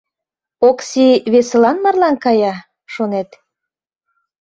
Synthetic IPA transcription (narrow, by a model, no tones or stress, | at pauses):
oksiβesə̆lɑnmɑrlɑnkɑjɑ | ʃonet̪